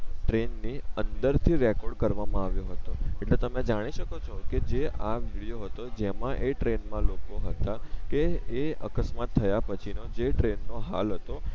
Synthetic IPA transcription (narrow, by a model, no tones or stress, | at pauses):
ʈɾenːiənd̪əɾt̪ʰiɾɛkɔɾɖkəɾʋamãaʋjõɦət̪oeʈlet̪əmẽd͡ʒaɽ̃iʃəkot͡ʃʰɔked͡ʒeaʋiɽijoɦət̪od͡ʒemãʔeʈɾenmãlokoɦət̪akeːəkəsmat̪ʰːəjapət͡ʃʰinod͡ʒeʈɾenːoɦa̰lɦət̪o